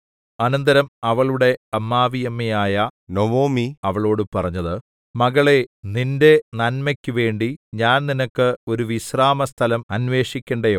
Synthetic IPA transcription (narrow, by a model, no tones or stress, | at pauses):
ɐnɐnd̪ɐɾɐmɐʋɐɭuɽe̞ɐmːaːʋijɐmːɐjaːjɐnoʋoːmiɐʋɐɭo̞ːɽɨpɐrɐɲːɐðɨ | mɐɣɐɭe̞ninde̞nɐnmɐkʲːuʋe̞ːɳɖiɲaːnninɐkːɨo̞ɾuʋiɕraːmɐst̪ʰɐlɐmɐnʋe̞ːʂikʲːɐɳɖɐjoː